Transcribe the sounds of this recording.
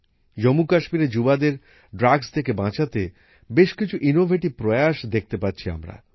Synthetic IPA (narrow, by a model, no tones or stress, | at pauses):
d͡ʑomukaʃmiɾed͡ʑubad̪eɾ | ɖɾaɡst̪ʰekebãt͡ɕʰat̪e | beʃkit͡ɕʰuʔinobʱeʈipɾɔeaʃd̪ek̚ʰt̪epatːɕʰia̰mɾa̰